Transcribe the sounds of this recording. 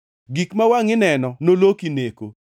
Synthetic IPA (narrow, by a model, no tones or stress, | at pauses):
ɡikmawaŋɪnɛnɔnolokineko̰